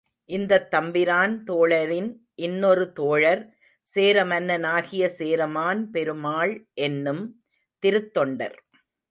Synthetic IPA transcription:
ʔɪnd̪ɐt̪ːɐmbɪɾaːnt̪oːɻɐɾɪn | ʔɪnːɔɾɯt̪oːɻɐɾ | seːɾɐmɐnːɐnaːɣɪjɐseːɾɐmaːnpɛɾɯmaːɭʔɛnːɯm | t̪ɪɾɯt̪ːɔɳɖɐ̰ɾ

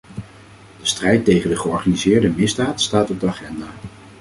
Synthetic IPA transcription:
d̥əstrɛjtejχəndəχəɔɹχanizɪːɹdəmɪzdaːtstaːtɔb̚dəaχɛndaː

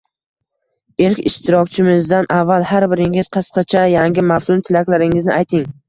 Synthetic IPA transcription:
elkʲɪ̰ʃt̪ʰɪɾɒkʲt͡ʃʰɪmɪzd̪anʔavːalˠhaɾbɪɾɪŋɪz̥qʰɨsqɑt͡ʃʰajaŋɡʲɪmaft̪ʊmt̪ʰɪlakʲlaɾɪŋɪznɪʔajt̪ʰɪŋ

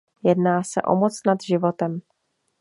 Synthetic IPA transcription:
jɛdnaːsɛ̰ʔo̞̰mo̞t͡snad̪ʒɪvo̞t̪ɛm

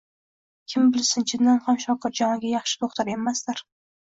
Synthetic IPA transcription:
kʲʰɪmbɪlsɪnt͡ʃʰɪnːanhamʃɒqʰɨɾd͡ʒɒŋɨɡʲajɑχʃɪ̥t̪ʰoχt̪ʰaɾemast̪aɾ

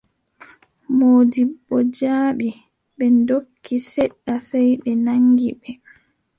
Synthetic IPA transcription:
moːdiɓːɔd͡ʒaːɓi | ɓɛndokːisɛɗːasajɓɛnaŋɡiɓɛ

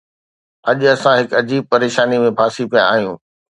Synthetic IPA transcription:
ɐʄʊɐsãɦɪkɐd͡ʑiːb̚pɐɾeːʃaːnimẽpʰaːsipijã̰a̰ːɦijũː

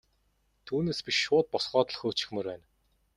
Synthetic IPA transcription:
t̪ʰuːneːspʲiʃːʊːt̪̚pɔsɢɔːt̪ɞ̆ɮxɵːt͡ɕɪ̥̆xmɵ̆rwæːn

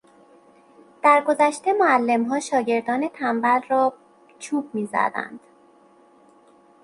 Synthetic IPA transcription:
d̪̥æɾɡozæʃt̪e̞moælːe̞mɦɒːʃɒːɟe̞ɾd̪ɒːne̞t̪ʰæmvælrɒː | t͡ʃʰuːb̥̚miːzæ̰d̪æ̰nd̪̥

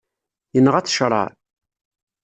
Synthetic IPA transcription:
jənːəʁæt͡sːʃɾˤɑ̰ɾ

